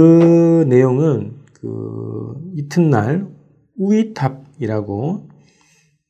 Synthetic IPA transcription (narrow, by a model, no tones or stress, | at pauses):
ɯne̞joŋɯnkɯ̰ | itʰɯnːaɭ | uitʰap̚iɾaɡo